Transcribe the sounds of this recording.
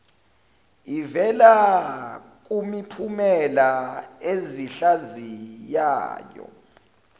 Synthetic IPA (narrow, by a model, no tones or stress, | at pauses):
ivɛla | k̬umipʰumɛlaeziɬazija̰ːjɔ̰